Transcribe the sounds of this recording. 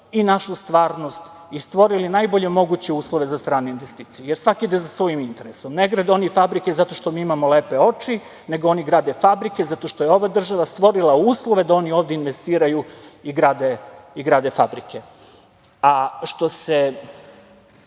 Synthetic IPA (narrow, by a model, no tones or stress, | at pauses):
inaʃust̪ʋaːɾnost̪ | ist̪ʋo̞ɾilinajbo̞ʎe̞mo̞ɡut͡ɕeuːslˠoʋe̞zast̪ɾaːneinʋest̪iːt̪sijujeɾsʋakid̪ezasʋojimint̪e̞ɾeso̞mneɡɾad̪eo̞nifabɾike̞zat̪o̞ʃt̪o̞miːimamoleːpe̞o̞t͡ʃi | ne̞ɡoo̞niɡɾaːd̪e̞fabɾike̞zat̪o̞ʃt̪ojeo̞ʋad̪r̩ʒaʋast̪ʋo̞ɾilˠauːslˠoʋe̞d̪ao̞nio̞ːvd̪einʋe̞st̪iːɾajuiɡɾaːd̪eiɡɾaːd̪e̞fabɾikʰe | aʃt̪o̞se